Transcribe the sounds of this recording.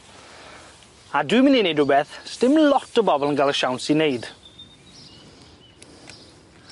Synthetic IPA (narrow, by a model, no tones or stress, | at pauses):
aduɨmɪninejdʊbɛθstɪmlɔtʰəbɔbɔlˠənɡalˠəʃawnsinejd̥